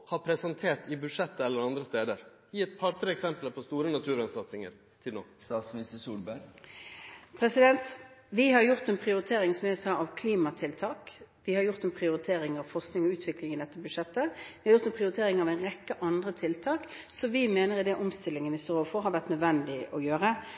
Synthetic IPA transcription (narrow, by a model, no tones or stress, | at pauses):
hɑpʰɾɛsɛnt̪ʰeːʈ̪ɪbʉʂɛt̪ːəɛlːəɾɑnd̪ɾəst̪eːd̪əɾ | jiːɛt̪pʰɑɾt̪əɾɛksɛmplpʰɔst̪uːɾənɑt̪ʰʉːɾɛnsɑt̪sɪŋə̰ɾ | t̪ʰɪlo̰ːst̪ɑːt̪smnɪst̪əsuːlbæɾ | pʰɾɛsɪd̪ɛnt̪ʋɪhɑɾjʊʁt̪ɛnpʰɾɪʊɾɪt̪ʰeːɾɪŋsɔmɛsɑːɑʋkʰliːmɑt̪ʰɪlt̪ʰɑːkʋɪhɑɾjʊʁt̪ɛnpʰʁɪʊɾɪt̪ʰeːɾɪŋɑʋfɔʁsknɪŋɔʉːt̪ʰʋɪklɪŋɪd̪ɛt̪ːəbʉʂɛt̪ːəʋɪhɑɾjʊʁt̪ɛnpʰɾɪʊɾɪt̪ʰeːʁɪŋɑʋæɛɪnʁɛkːəʔɑnd̪ʁət̪ʰɪlt̪ʰɑːk | sɔʋɪmeːnəɾɪd̪ɛʔɔmst̪ɪlːɪŋənʋɪst̪oɾooːfɔɾɦɑɾʋæʁt̪nœd̪ʋɛnd̪ɪʔɔjøːɾə